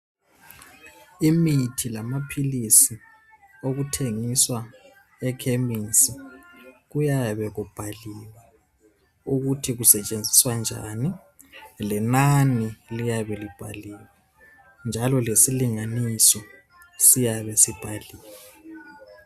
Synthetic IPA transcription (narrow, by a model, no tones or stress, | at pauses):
imitʰilamapʰilisi | oɣutʰeŋiswa | ɛkʰeminsi | ɣujaβɛɣub̥ʱaliːla | uɣutʰiɣusɛt͡ʃʼend͡zʱiswand͡ʒʱa̰ni | lɛnanilijaβɛlib̥ʱa̰liːwa | nd͡ʒʱalɔlesiliŋanisɔ | sijaβɛsib̥ʱaliːla